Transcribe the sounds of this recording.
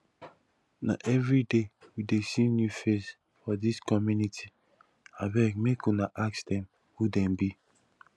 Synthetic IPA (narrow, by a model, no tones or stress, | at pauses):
na̰ʔɛvɹidewidesinjufes | fɔdiskɔmjunitʰi | abɛkmekunaʔaksdɛ̃m | hudɛ̃mbi